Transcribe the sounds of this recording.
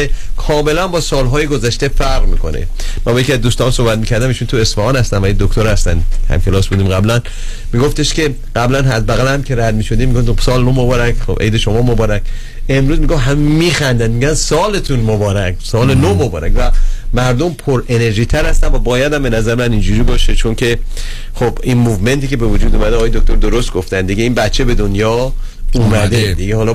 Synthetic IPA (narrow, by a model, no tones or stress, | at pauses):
ekʰɒːme̞lænbɒːsɒːlɦɒːjeɡozæʃt̪e̞fæɾʁmikʰo̞̰nḛ | mæbɔjecʰiæzd̪ust̪ɒːnsohbæt̪̚miːcʰæɾd̪æmiːʃuːnt̪ʰue̞sfɒhɒːnhæst̪æmvæid̪okt̪ʰoɾhæst̪æ̰nhæ̰mkʰelɒːsbuːd̪iːmɡæblæn | miɡoft̪eʃkʰe̞ | ɢ̥æblænɦæzbæɣælæmkʲʰe̞ɾæd̪miːʃo̞d̪iːmːiɡosɒːlenomobɒɾækʰxobʔḛjd̪e̞ʃomɒːmobɒːɾækʰ | e̞mɾuːzmiɡofɦæmmiːxænd̪ænd̪miɟʲænsɒːle̞t̪ʰunmobɒːɾækʰsɒːlenomobɒːɾækvæmæɾd̪ompʰoɾe̞ne̞ɾʒiːt̪ʰæɾhæst̪ænvæbɒːjæd̪æmbe̞næzæɾemænind͡ʒuɾiːbɒːʃet͡ʃʰonkʰe̞ | xobinmuvme̞nt̪ʰiːcebe̞vod͡ʒuːd̪umæd̪eɒːjed̪ok̚t̪o̞ɾd̪oɾost̪̚ɡoft̪ænd̪iɡeiːnbætt͡ʃʰːebe̞d̪onjɒː | umæd̪e̞d̪iɡehɒːlɒ